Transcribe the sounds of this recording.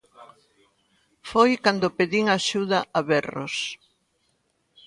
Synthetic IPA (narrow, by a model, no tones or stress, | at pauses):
fojkand̪ʊpeðiŋaʃuðɐʔaβɛro̰s